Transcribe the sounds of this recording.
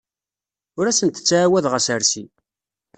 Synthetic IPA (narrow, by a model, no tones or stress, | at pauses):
ʊɾæsənt̪ə̥t͡sːaawæðʁəsəɾsi